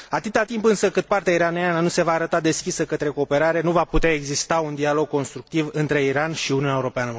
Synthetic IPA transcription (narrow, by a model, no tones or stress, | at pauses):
at̪ɨt̪at̪impɨnsəkɨt̪̚part̪eaiɾaneanənuse̞vaːɾət̪ad̪e̞skʲisəkət̪ɾe̞ko̞ːpe̞ɾaɾe̞nuvaput̪eae̞ɡzist̪aund̪ialo̞ɡ̚ko̞nst̪ɾuk̚t̪ivɨnt̪ɾe̞iɾanʃiuniunaeuɾo̞peanə